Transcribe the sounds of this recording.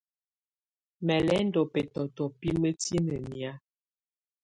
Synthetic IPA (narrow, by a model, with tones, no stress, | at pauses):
mɛ˨lɛ˨˦n˦dɔ˨pɛ˨tɔ˨tɔ˨pi˦mə˦ti˦nə˨mi˨a˦